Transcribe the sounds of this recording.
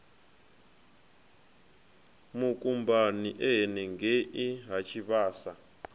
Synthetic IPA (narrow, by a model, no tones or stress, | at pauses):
mukʼumbaniʔɛɦɛnɛŋɡeʔiɦat͡ʃʰiβaːsa